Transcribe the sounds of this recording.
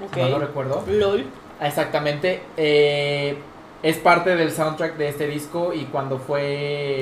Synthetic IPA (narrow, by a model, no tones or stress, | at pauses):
okolorekwe̞ɾðolul | esak̚t̪amẽnt̪e̞e | e̞spaɾt̪e̞ð̞e̞lsawnt̪ɾak̚d̪eest̪eðisko̞ikwand̪o̞fwe̞